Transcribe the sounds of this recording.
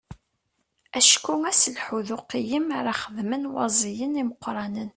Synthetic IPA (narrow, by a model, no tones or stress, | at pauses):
æʃkːuŋæsəlħuðʊqijəmaɾˤɑχəðmənwɑ̰zˤijəniməqːɾˤɑnən